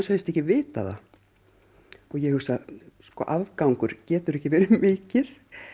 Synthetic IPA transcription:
shɛlst̪ɛhcɪvɪːt̪a̰ða̰ | ɔjɛhʏ̥saskɔ̰ːʔavkawŋkʏɾ̥cɛːt̪ʏɾɛhcɪvɛːɾɪmɪːcɪɾ̥

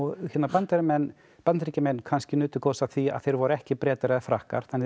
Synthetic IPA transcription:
ɔɣçɛt̪napant̪ɛɾɪmɛnː | pat̪nʰɾicamɛnkʰanscɪnʏːt̪ʏkʰowsaθia̰ðθejɾvɔɾʏɛhcɪpɾɛːt̪aɾɛðfɾahka̰ɾ̥θanɪ

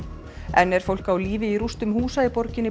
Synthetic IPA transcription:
ɛnːɛɾ̥fowl̥kawliːvɪiɾust̪ʏmhuːsaɪpɔɾcɪnːɪ

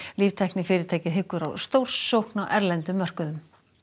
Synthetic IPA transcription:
liːvt̪ʰɛhknɪfɪːɾɪɾ̥t̪ʰɛːjcɪðɦɪkːʏɾa̰wst̪owr̥sːowhknaʔɛɾlɛnt̪ʏmːœr̥kʏðʏm

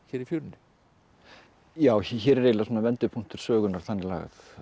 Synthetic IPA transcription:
çɛːɾifjoːɾnʏ | jaːwçɛːɾɛɾeːlasɔnavɛnt̪ɪpʰun̥t̪ɪɾ̥sœːɣʏnaɾ̥θanːɪla̰ːɣa̰θ

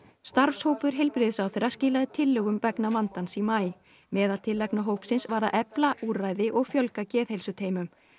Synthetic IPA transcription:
st̪aɾfshoːwpʏɾ̥ɦɛjlpɾɪðɪsawθeɾascɪːlaðɪt̪ʰɪlːœːɣʏmpɛknamant̪ansimaːj | mɛːðalt̪ʰɪlːaknaɦoːwhpsɪnsvaːɾaʔɛplaʔuːraːjðɪʔɔɣfjœlkacɛːθhejlsʏt̪ʰeːjmʏm

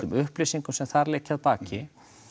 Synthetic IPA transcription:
ʏmʏhplisiŋkʏsɛmθaɾleːcaðpaːcɪ

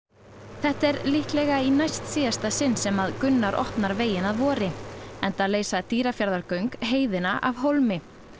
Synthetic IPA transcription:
θɛht̪ɛɾlihklɛɣainajst̪siːðast̪asɪnːsɛmaðkʏnːaɾʔɔ̰ht̪naɾveːjɪnaðvɔːɾɪɛnt̪aleːjsat̪iːɾafjaɾðaɾkœɥŋkɦeːjðɪnaʔavɦowlmɪ

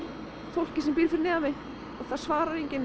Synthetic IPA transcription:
θowl̥cɪsɛmpiːɾfɪɾɪnɛːamɪ | ɔɣθaðsvaːɾaɾeɲcɪn

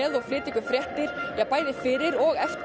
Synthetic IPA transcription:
ɛðawfɾɪːt̪ikʏfɾjɛht̪ɪɾ̥jɛpaːjðɪfɪɾɪɾɔɣɛf

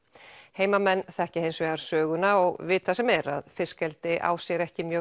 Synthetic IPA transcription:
heːjmamɛnːθɛhcɪhejnsvɛɣaɾ̥sœːɣʏnaɔɣvɪt̪θasɛmɛɾa̰ðfɪskɛlt̪ɪʔa̰ːwsjɛɾɛhcɪmjœ

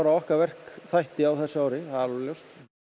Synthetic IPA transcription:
aɾaɔhkaɾvɛr̥kθajht̪ɪawθɛsːɪaːwɾɪθaðɪɾljowst̪

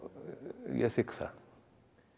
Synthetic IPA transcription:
jɐ̰siksa̰

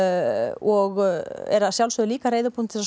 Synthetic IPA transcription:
ɔɣɛ̰ɾaðsjawlsœðʏliːkareːjðʏpʰunt̪ʰɪla

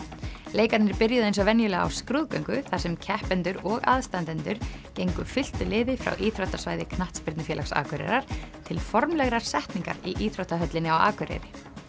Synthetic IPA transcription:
leːjkat̪nɪɾpɪɾjʏðʏejnsɔvɛnjʏlɛɣa̰wskɾuðkœɥŋkʏθḁsɛmcʰɛhpɛnt̪ʏɾɔɣa̰ðst̪ant̪ɛnt̪ʏɾ̥cejŋkʏfɪl̥t̪ʏlɪːðɪfɾa̰wʔiθɾɔwht̪asvaːjðɪkʰnaht̪spɪɾt̪nʏfɛːlaksa̰ːkʏɾɛ̰ɾaɾ̥t̪ʰɪlfɔɾmlɛɣɾaɾ̥sɛht̪niŋka̰ɾiʔiːθɾɔht̪aɦœt̪lɪnɪawa̰ːkʏɾɛ̰ɾɪ

